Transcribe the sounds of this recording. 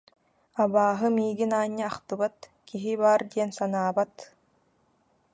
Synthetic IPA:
abaːɦɯmiːɡinaːɲːɯaχt̪ɯbat̪kiɦibaːɾd̪iɛnsanaːbat̪

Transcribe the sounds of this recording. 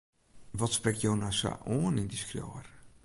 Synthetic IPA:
ʋɔtsprɪktjownasa̰ʔoənɪndiskrjo̰ːər

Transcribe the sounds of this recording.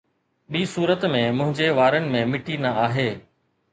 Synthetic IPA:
ɓiːsuːɾət̪mẽmʊ̃ɦɪ̃ɲd͡ʑeʋaːɾənɪ̆mẽmɪʈinɐaːɦeː

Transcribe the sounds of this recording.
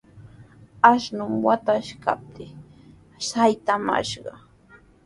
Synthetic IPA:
aʃnʊmwat̪aʃka̰p̚t̪ʰɪ | sajt̪ama̰ʃɢɑ

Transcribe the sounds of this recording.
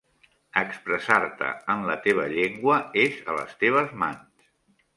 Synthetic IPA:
əkspɾəsaɾt̪ə̰ənlət̪eβ̞əʎeŋɡwəezə̰lə̰st̪eβ̞əzmans

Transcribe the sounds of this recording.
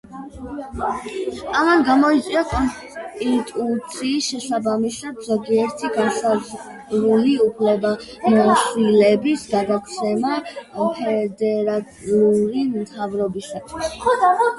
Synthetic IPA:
amanɡamɔit̪sʼwiakʼɔns | t̪ʼit̪ʼut̪sʰiːsʃɛsabamisatz̥ɔɡiɛɾt̪ʰiɡaʃaz | ɾuliupʰlɛba | mɔʃilɛbisɡaɡakʰsɛmapʰɛd̪ɛɾat̪ʼiuɾimt̪ʰavɾɔbisat̪ʰwis

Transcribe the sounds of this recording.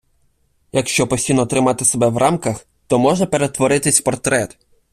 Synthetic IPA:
jɐkʃt͡ʃɔpɔsʲijnɔːt̪ɾɪmɑt̪ɪsebɛwrʔɑmkɐx | t̪ɔmɔʒɛpe̞ɾet̪ʋɔɾɪt̪ɪsʲpɔrt̪ɾɛt̪

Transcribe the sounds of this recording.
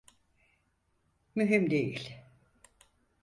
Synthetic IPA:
myɦymd̪ejḭlʲ

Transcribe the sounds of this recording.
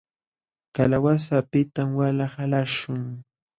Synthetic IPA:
kalawasapɪt̪amwalahalaʃʊŋ

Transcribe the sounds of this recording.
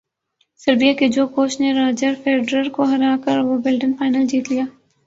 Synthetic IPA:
sɐɾbijaked͡ʒoːkoːt͡ʃneɾaːd͡ʒəɾfeːɖɾəɾkoɦɐɾaːkəɾʋobɪlɖɪ̃npaːɪnəld͡ʒiːt̪lijaː

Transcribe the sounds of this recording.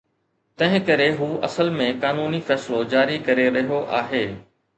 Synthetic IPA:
t̪ɐ̃ɦɪ̃kɐɾeɦuːʔɐ̰səlmẽkaːnuːnifɛːsɪlod͡ʑaːɾikɐɾeɾɐɦijoʔaːɦeː

